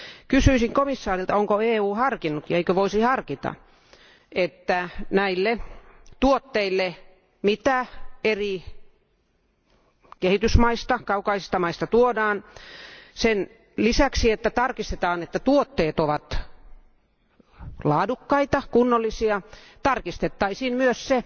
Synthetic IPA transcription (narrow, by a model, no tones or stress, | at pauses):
kysyisiŋkomisːɑːrilt̪ɑoŋkoeːuːhɑrkinːut̪jɑeikøʋoisihɑrkit̪ɑ̰ | ʔet̪ːænæilːet̪uot̪ːeilːe | mit̪æeri | kehit̪ysmɑist̪ɑkɑukɑisist̪ɑmɑist̪ɑt̪uodɑːn | sen | lisæksiet̪ːæt̪ɑrkist̪et̪ɑːnet̪ːæt̪uot̪ːeːt̪oʋɑt̪ | lɑːdukːɑit̪ɑkunːolːisiɑt̪ɑrkist̪et̪ːɑisiːnmyøsse